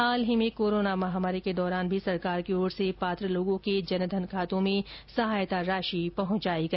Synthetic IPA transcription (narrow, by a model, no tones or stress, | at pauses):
aːlɦimẽkoːɾoːnamɐɦaːmaːɾiked̪ɔːɾaːnbʱisɐɾkaːɾkioːɽsepaːt̪ɾəloːɡõked͡ʒɐnd̪ʱɐnkʰaːt̪õmẽsɐɦaːjt̪aɾaːʃipɐɦʊ̃ɲt͡ʃaːiɡɐ